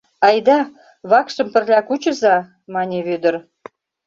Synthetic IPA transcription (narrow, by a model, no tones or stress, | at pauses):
ɑjd̪ɑ | βɑkʃə̆mpə̆rlʲækut͡ɕə̆zɑ | mɑnʲeβød̪ə̆ɾ